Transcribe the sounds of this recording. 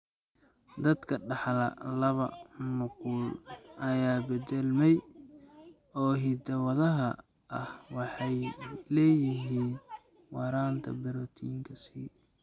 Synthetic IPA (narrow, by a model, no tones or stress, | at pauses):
d̪ɐd̪kʰɐɖɑħlɐ̰lɐβɐ̰mʊquːlʔɐjaːbɛd̪ɛlmɛj | ɔːɦid̪ɐwɐðɐɦɐ̰ | ɐ̰hwɑħɑjlɛːjɪɦiːn | wɑːɾaːnt̪ʰɐ̰bɛɾɔːt̪ʰiːŋkʰɐsiː